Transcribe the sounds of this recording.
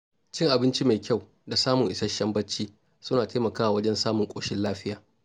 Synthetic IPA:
t͡ʃɪ˦ŋʔa˨bɪ˦nt͡ʃi˦ma˨jkʲa˦˨w | da˨saː˦mʊ˨ŋʔɪ˨sɐ˦ʃɐ˦mbɐ˦t͡ʃːiː˦ | sʊ˦naː˨teː˦mɐ˨kaː˦wa˨wɐ˦d͡ʒɛ˦nsaː˦mʊ˨ŋkʷʼoː˨ʃɪ˦nlaː˦ɸɪ˦jaː˨

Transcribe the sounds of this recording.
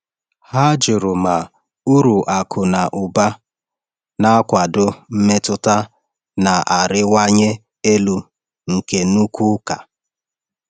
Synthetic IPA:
ha˦d͡ʒʊ˨ɾʊ˨ma˨ | u˦ɾu˨ʔa˨kʰʊ˨na˨ʔʊ˨ba˦ | na˦a˦kʷa˨dʊ˦m̩˦me˦tʊ˦ta˦ | na˨ʔa˨ɾɪ˦wa˦ɲe˦ | e˦lu˨ | ŋ̩˨ke˨nu˦kʷu˦ka˨

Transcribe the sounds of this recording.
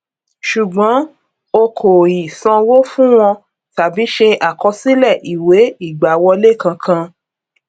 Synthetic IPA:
ʃu˨ɡ͡bɔ̃˨˦ | o˧kʰo˨i˨sɔ̃˧wo˦fũ˦w̃ɔ̃˧ | ta˨bi˨˦ʃe˧ʔa˨kɔ˧si˦lɛ˦˨ʔi˨we˨˦i˦˨ɡ͡ba˨wɔ˧le˦˨kã˧kʰã˧

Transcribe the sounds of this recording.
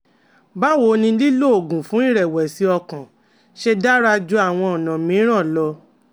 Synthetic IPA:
ba˦wo˧˨˧nĩ˧li˦lo˦o˨ɡũ˨fũ˨˦i˦˨ɾɛ˨wɛ˨si˨˦ɔ˧kã˨ | ʃe˧da˦ɾa˧d͡ʒu˧˦a˦˨w̃ɔ̃˧ɔ˨nã˨mĩ˨˦ɾ̃ã˦˨lɔ˧

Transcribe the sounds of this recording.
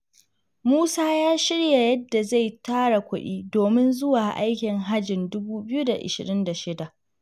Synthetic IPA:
muː˦saː˦jaː˦ʃɪ˦ɽja˨jɐ˦dːa˨za˦˨jtaː˦ɽa˨kʷʊ˦ɗiː˦doː˨mɪ˦nzʊ˦waː˨ʔa̰˦jkʲɪ˨ŋɦa˦d͡ʒɪ˨ndʊ˦buː˦bɪ˦ju˦da˨ʔɪ̰˨ʃɪ˨ɾɪ˦nda˨ʃɪ˦da˨ʔ

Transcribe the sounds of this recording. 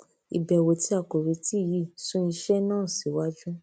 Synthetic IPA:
i˨bɛ˨wo˨ti˦a˦˨ko˨ɾi˨˧˦ti˦˨ji˦˨sũ˦ĩ˧ʃɛ˦nãː˦˨si˨˦wa˦d͡ʒũ˦

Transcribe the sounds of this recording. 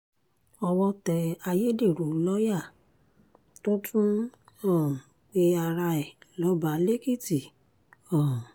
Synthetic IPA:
ɔ˧wɔ˧tɛ˧a˧je˦de˦˨ɾo˨˦lɔ˦ja˦˨ | to˦tʰũ˦ɔ̃˦˨k͡pe˦a˧ɾa˧ɛ˨lɔ˨˦ba˨˦le˦ki˦˨ti˨ | ɔ̃˨

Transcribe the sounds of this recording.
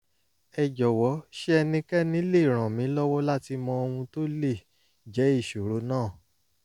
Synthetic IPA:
ɛ˨d͡ʒɔ˨wɔ˨˦ʃe˦ɛ˧nĩ˧kɛ˦˨nĩ˨˦le˦˨ɾ̃ã˨mĩ˨˦lɔ˦wɔ˦la˦ti˧mɔ̃˧o˧w̃ũ˧to˦le˦˨ | d͡ʒɛ˨˦i˦˨ʃo˨ɾo˨˦nãː˦˨

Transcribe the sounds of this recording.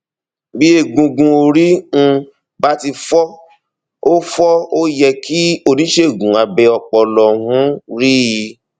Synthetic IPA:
bi˦e˦˨ɡũ˨ɡũ˧o˧ɾi˦ñ̩˦˧ | ba˦ti˧fɔ˦ | o˦fɔ˦o˦jɛ˧ki˦o˦˧˨nĩ˨˦ʃe˦˨ɡũ˨a˨bɛ˨˧ɔ˧k͡pɔ˨lɔ˧˨ũ˦ɾi˦i˧

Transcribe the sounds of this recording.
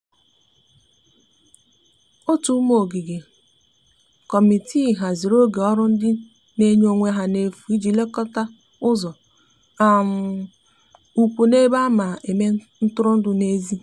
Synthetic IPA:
o˦tu˦m˦o˨ɡi˨ɡe˨ | kɔ˨mi˨tʰi˦˨ɦa˨zi˨ɾo˦ɡe˨ɔ˦ɾʊ˦n̩˦dɪ˦ | ne˦ɲ˦o˨ŋʷe˦ɦa˨ne˨fu˨i˦d͡ʒi˨le˦kɔ˦ta˦ | ʊ˦zɔ˨ | a˨m̩˨ | u˨kʷu˨ne˦ba˦ma˨ʔe˨me˦ | n̩˦tʊ˦ɾʊ˦n̩˦dʊ˨ne˦zi˦

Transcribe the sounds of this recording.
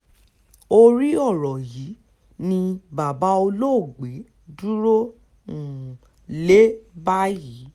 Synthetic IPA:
o˧ɾi˦ɔ˦˨ɾɔ˨ji˨˦ | nĩ˧ba˨ba˨˦o˧lo˦˨ɡ͡be˨˦ | du˦ɾo˦ | ũ˨ | le˦ba˦ji˨˦

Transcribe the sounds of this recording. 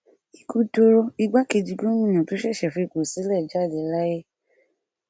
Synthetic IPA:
i˧ku˧to˧ɾo˧i˧ɡ͡ba˦ke˧d͡ʒi˧ɡõ˦mĩ˦˨ɲã˨to˨˦ʃɛ˦˨ʃɛ˨fi˧i˧˨ko˨si˨˦lɛ˦˨d͡ʒa˦˨dɛ˨˦la˦je˦

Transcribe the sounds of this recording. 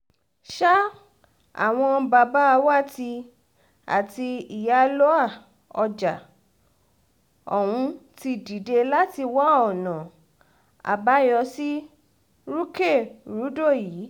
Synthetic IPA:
ʃa˦ | a̰˦˨w̃ɔ̃˧ba˧ba˦a˧wa˦˨ti˧ | a̰˨ti˧i˨ja˨˦lo˦a˦˨ | ɔ˧d͡ʒa˨ | ɔ˨wũ˧ti˧di˨de˧la˦ti˧wa˦ɔ˨nã˨ | a̰˨ba˨˦jɔ˧si˦ | ɾu˦ke˦˨ɾu˨˦do˦˨jiː˨˦

